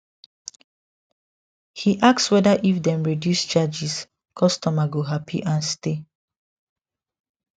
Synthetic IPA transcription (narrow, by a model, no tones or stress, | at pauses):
hiʔak̚swɛdaʔifdɛ̃mɹidjust͡ʃad͡ʒis | kʰɔstɔmaɡoɦapʰḭʔãnste